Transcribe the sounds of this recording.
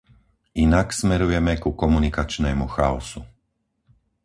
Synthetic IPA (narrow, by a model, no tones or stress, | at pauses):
inaksmɛɾujɛmɛkukɔmunikat͡ʃnɛːmuxaɔsu